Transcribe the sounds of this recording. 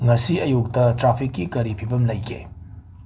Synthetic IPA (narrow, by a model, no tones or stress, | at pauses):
ŋɐsiɐjuk̚tɐtɾapʰikːikɐɾipʰibɐmlɐjkʰḛ